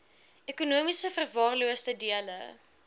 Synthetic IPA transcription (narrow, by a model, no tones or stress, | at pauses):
ekunuəmisəfərvɑːrluəstədiələ̰